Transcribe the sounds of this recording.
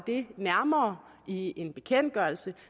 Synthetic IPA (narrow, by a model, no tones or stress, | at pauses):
d̥e̝næɐmɐːie̝nb̥e̝kʰen̰d̥̚ɡ̥ɶɐl̩sə